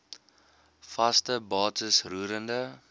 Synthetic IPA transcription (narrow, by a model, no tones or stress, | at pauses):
fɐstəbɑːtəsruːɾəndə